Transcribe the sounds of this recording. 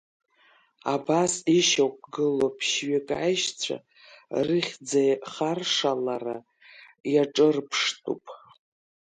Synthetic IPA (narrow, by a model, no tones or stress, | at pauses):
abasiʃowkʷʼɡɨlopʰʃɥekʼajʃt͡sʷʰa̰ | rɨχʲd͡zajχarʂalara | jaʈ͡ʂʼɨrpʰʂtʼṵpʼ